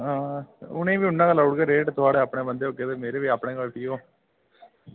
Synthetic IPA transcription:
ãːʊñẽːʋiːʊnːãːklaʊɽɡeɾeːʈt̪ʊaːɽeːəpɳẽːbənd̪eːoːket̪emeːɾeːʋiːapɳẽːɡəlpiːoː

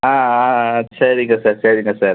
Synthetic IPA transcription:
aːaɐtːsɐɾiŋɡɐsɐɾsɐɾiŋɡɐsɐɾ

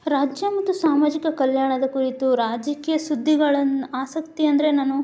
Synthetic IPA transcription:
ɾaːd͡ʒjɐmɐt̪ːusaːmaːd͡ʒikɐkɐljaːɳɐd̪ɐkuɾit̪uɾaːd͡ʒɐkiːjɐsud̪ʱːiɡɐɭɐnaːsɐkt̪iɐnd̪ɐɾe̞naːnu

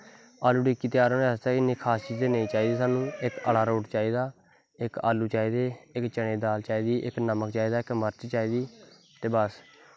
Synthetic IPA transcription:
aːluːɖiːkːiːt̪jaːɾoːneːəst̪aːkɪnːẽːkʰaːst͡ʃiːzd̪eːnẽĩːt͡ʃaːiːd̪iːsaːnũːɪkə̰laːɾoːʈt͡ʃaːiːd̪aː | ɪka̰ːluːt͡ʃaːiːd̪eːɪkt͡ʃəɳ̃ẽːd̪aːlt͡ʃaːiːd̪iːʔɪknəməkt͡ʃaːiːd̪aːɪkməɾt͡ʃt͡ʃaːiːd̪iː | t̪eːbəs

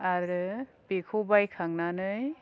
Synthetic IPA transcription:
aɾɯ | pikʰubajkʰaŋnanɯj

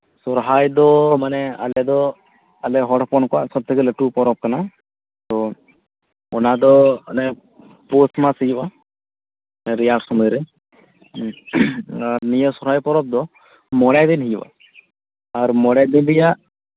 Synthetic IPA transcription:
sɔɾɦajd̪ɔmanɛa̰lɛd̪ɔ | alɛɦɔɽpɔnkɔaʔsɔb̚t̪ʰəkɛləʈupɔɾɔp̚kana | t̪ɔ | ɔnad̪ɔnɛ | posmasijba | nɛɾijaʈsɔməɾɛ | aɾnijəsɔɾɦajpɔɾɔp̚d̪ɔ | mɔɽjad̪inɦijba̰ | aɾmɔɽjad̪inbijaʔ

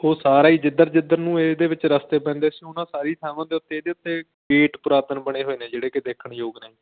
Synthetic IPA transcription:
oːsaːɾaːiːd͡ʒɪd̪əɾd͡ʒɪd̪əɾnũːeːd̪eːʋɪt͡ʃɾəst̪eːpɛ̃ːnd̪eːsĩʊnãːsaːɾiːt̪ʰaːmãːd̪eːʊt̪ːeːeːd̪eːʊt̪ːeː | ɡeːʈpʊɾaːt̪ənbəɽeːɦoːiːnẽːd͡ʒeːɽeːkɪd̪eːkʰəɳjoːɡnaːĩː

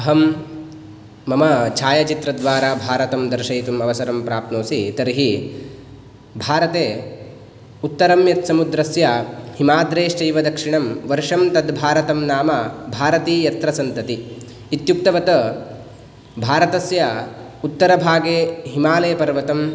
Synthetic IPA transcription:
ɐɦɐm | ɐmɐt͡ʃʰaːjɐt͡ʃit̪ɾɐd̪ʋaːɾaːbʱaːɾɐt̪ɐmd̪ɐɾʃɐjt̪umɐʋɐsɐɾɐmpɾaːp̚t̪noːsit̪ɐɾiɦi | bʱaːɾɐt̪eː | ut̪ːɐɾɐmjɐt̪sɐmud̪ɾɐsjɐhimaːd̪ɾeːʂʈɐjʋɐd̪ɐkʂiɳɐmʋɐɾʂɐmt̪ɐd̪bʱaːɾɐt̪ɐmnaːmɐbʱaːɾɐt̪iːjɐt̪ɾɐsɐnt̪ɐt̪iː | t̪juk̚t̪ɐʋɐt̪ɐ | bʱaːɾɐt̪ɐsjɐ | ut̪ːɐɾɐbʱaːɡeːɦimaːleːpɐɾʋɐt̪ɐm

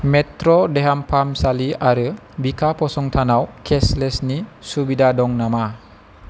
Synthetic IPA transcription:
metɾɔdeɦampʰamsaliaɾɯ | bikʰapɔsɔŋt̪ʰanawkʰeslesnisubidadɔŋnama

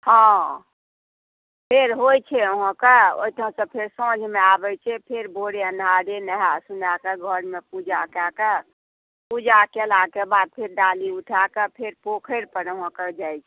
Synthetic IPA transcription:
hã | pʰeɾɦojt͡ʃʰɛəɦə̃keo̰it̪ɦə̃sə̃pʰeɾsəd͡ʒʱmeabəjt͡ʃʰɛpʰeɾboɽeənaɾenəɦasunakeɡʱəɾmepud͡ʒakake | pud͡ʒakelakebad̪̚pʰeɾɖaliuʈʰakepʰeɾpokʰəɾpəɾəɦə̃kəd͡ʒajt͡ʃʰɛ

